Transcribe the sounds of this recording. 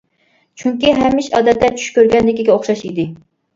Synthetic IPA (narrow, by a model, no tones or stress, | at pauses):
t͡ʃʰyŋkʲiɦɛmːɪʃɑːd̪ɛt̪ːɛt͡ʃʰy̥ʃkʲøɾɡʲɛnlɪkʲiɡʲɛoχʃɑʃid̪ɪ